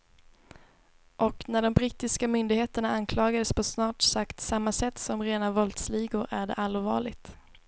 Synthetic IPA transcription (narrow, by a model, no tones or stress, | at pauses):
ʔɔknæɖɔmbɾiːt̪ɪskamʏnd̪ɪɡheːt̪əɳaankʰlɑːɡad̪əspʰɔsnɑːʈsakt̪samːasɛt̪ːsɔmɾeːnavɔlt̪sliːɡʊɾʔæɖɛ̰ʔalvɑ̰ːɭɪɡt̪